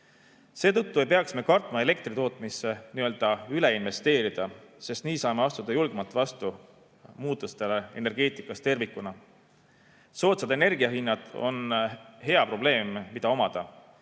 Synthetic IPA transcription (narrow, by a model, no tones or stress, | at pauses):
se̞ːt̪ɤt̪ːue̞jpe̞ɑksme̞kɑrt̪mɑe̞le̞k̚t̪rit̪o̞ːt̪ˑmisːe̞niø̞ld̪̥ɑyle̞inve̞st̪e̞ːɾid̪̥ɑse̞st̪niːsɑːme̞ɑst̪ud̪̥ɑjulɡ̥e̞mɑt̪ːˑvɑst̪u | muːt̪ːˑust̪e̞lee̞̰ne̞rɡ̥e̞ːt̪ˑikːˑɑst̪e̞rvikːˑunɑ | so̞ːt̪sɑd̪̥e̞ne̞rɡiɑɦinːɑd̪̥o̞̰nɦe̞ɑpro̞b̥le̞ːmːid̪̥ɑo̞mɑd̪̥ɑ